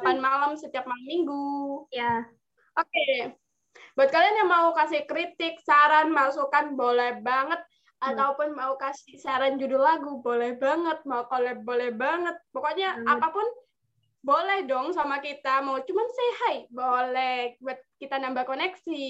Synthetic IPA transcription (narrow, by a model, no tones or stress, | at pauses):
lapanmalamsət̪iap̚malamːiŋɡuja | ʔoke | buat̪̚kalianjamaukasɪhkɾit̪ɪk̚saɾanmasukanbolɛhbaŋət̪̚ | at̪aupʊnmaukasɪsaɾand͡ʒudʊlaɡubolɛhbaŋət̪̚maukolɛhbolɛhbaŋət̪̚pokoʔɲaapapʊn | bolɛhdɔŋsamakit̪amaut͡ʃumansehajbolɛhbuat̪̚kit̪anambakonɛksi